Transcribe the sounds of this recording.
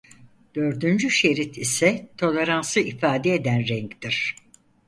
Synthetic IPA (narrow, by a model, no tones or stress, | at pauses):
d̪̥ø̞ɾd̪ynd͡ʒyʃe̞ɾit̪ʰisɛt̪ʰo̞lʲeɾansɯifaːd̪ɛed̪ænɾɛɲct̪iɾ̥